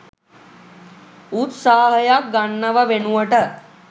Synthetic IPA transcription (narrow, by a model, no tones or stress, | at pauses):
ut̪saːɦəjak̚ɡanːəʋəʋenuʋəʈə